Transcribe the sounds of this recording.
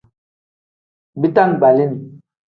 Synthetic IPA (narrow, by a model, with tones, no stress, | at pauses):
bi˦ta˦ŋ˨ɡ͡ba˨li˦n˨